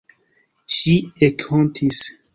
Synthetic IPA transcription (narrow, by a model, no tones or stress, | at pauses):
ʃiekʰontʰis